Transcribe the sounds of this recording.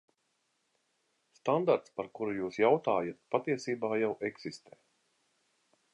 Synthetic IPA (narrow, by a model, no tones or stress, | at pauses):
st̪and̪aɾt̪spaɾkuɾujuːsjawt̪aːjat̪pat̪iɛsiːbaːjawʔɛksist̪ɛː